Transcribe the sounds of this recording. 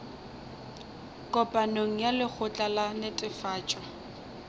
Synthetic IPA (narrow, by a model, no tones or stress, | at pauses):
kʼɔpʼanoŋ̩jalɪk͡xʰʊt͡ɬʼalanɪtʼɪfaːt͡ʃʼwa